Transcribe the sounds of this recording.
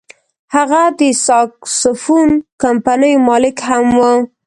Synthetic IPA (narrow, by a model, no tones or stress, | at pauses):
haɣad̪əsɑksʊfunkampanəjmɑlɪkhamwə